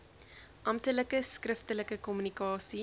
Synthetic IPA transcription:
ʔɐmtələkəskrəftələkəkɔmynikɑːsi

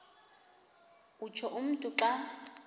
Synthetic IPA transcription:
ut͡ʃʰɔʔʊm̩tʼʊǁa

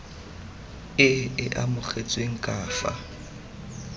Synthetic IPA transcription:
ɪɪʔamʊk͡xʰet͡sʼweŋ̩kʼaːfa̰

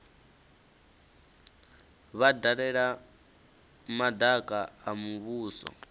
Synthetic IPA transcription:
βadaɺɛɺa | madakʼaamuβuːsɔ̰

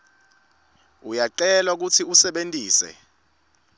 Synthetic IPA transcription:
ujaǀɛlwak̬utʰiusɛɓentʼiːsɛ̰

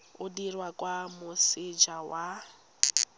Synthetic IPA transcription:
ʊdirwakʼwamʊsɪd͡ʒawa

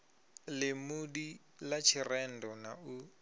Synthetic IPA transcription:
lɪmudi | lat͡ʃʰɪrɛn̩dɔnau

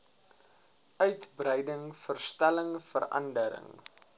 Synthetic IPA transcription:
œɥtbrəjdəŋfərstæləŋfə̰rʔɐ̰ndəɾə̰ŋ

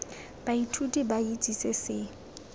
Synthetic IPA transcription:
b̥aitʰutʼibait͡sʼisesɪ

